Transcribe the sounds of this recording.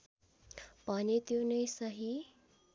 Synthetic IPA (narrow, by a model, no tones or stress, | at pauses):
panit̪jonəjsəɦi